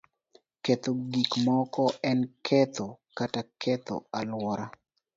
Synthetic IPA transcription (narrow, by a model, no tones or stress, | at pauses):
ket̪oɡikmɔkɔɛnkʰɛt̪okatakʰɛt̪o̰alwɔɾa